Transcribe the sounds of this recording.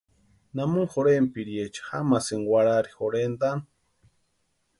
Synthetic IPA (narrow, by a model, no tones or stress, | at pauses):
namuŋxoɾempiɾjet͡ʃḁhamasiŋwʷaɾaɾixoɾend̪an